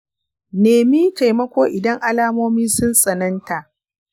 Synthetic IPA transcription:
neː˨mi˦ta˨jmɐ˦kʷoː˦ʔɪ˨dɐ˦ŋʔa˦laː˦moː˦miː˦sʊ˦nsʼɐ˨nɐ˦nta˨ʔ

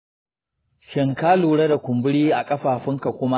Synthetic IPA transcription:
ʃɪ˦˨ŋkaː˦luː˨ɽɐ˦da˨kʷʊ˨mbʊ˦ɽiː˦ʔa˨kʼɐ˦ɸaː˨ɸɪ˦ŋka˨kʷʊ˦ma˦

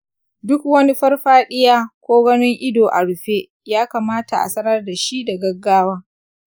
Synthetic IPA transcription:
dʊ˦kwɐ˦ni˦ɸɐ˦rɸaː˦ɗɪ˦jaː˦kʷoː˦ɡɐ˦nɪ˦ŋʔɪ˦doː˨ʔa˨ɽʊ˨ɸeː˦ | jaː˦kaː˨maː˦ta˨ʔa̰˨sɐ˦nɐ˦rda˨ʃi˦da˨ɡɐ˦ɡːaː˦waː˦

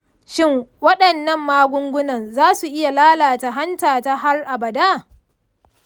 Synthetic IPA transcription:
ʃɪ˦ŋwɐ˦ɗɐ˨nːɐ˦mːaː˦ɡʷʊ˦ŋɡʷʊ˦nɐ˨nzaː˦su˨ʔɪ˦ja˨laː˦laː˨ta˨ɦa˦ntaː˨ta˦ɦa˦rʔa˨bɐ˨daː˦˨

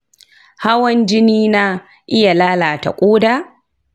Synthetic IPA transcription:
ha˦wɐ˦nd͡ʒɪ˦niː˦na˦ | ʔɪ˦ja˨laː˦laː˨ta̰˨kʷʼoː˦daː˦˨

